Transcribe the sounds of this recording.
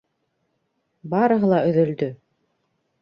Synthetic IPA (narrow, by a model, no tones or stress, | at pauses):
bɑɾɤ̆ɦɤlˠɑʔɵ̆ðɵ̆ld̪ɵ